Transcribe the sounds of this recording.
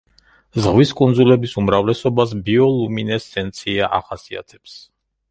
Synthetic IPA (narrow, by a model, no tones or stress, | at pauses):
zʁviskʼund̪zulɛbisumɾavlɛsɔbas̬biɔlˠuminɛsːɛnt̪sʰiaʔa̰χasia̰t̪ʰɛ̥ps